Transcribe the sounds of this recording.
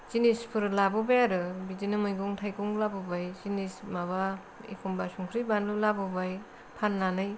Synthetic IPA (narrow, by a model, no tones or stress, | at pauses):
zinispʰɯɾlabɔbajaɾɯbidinɯmɯjɡuŋtʰajkuŋlabɔbajzinismaβa | ḭkʰumbasuŋkʰɾijbanlulabɔbaj | pʰanːanɯj